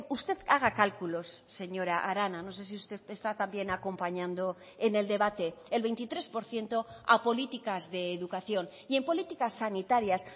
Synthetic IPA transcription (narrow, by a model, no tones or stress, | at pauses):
ust̪e̞ðaɣ̞akalkulo̞sːe̞ɲo̞ɾaʔaɾanano̞se̞s̬iust̪e̞ðest̪at̪ambje̞nako̞mpaɲãnd̪o̞ | ene̞ld̪e̞βat̪e̞ːlβe̞jnt̪it̪ɾe̞spo̞ɾθje̞nt̪o̞apo̞lit̪ikazðe̞ːðukaθjo̞n | ie̞mpo̞lit̪ikasːanit̪aɾjas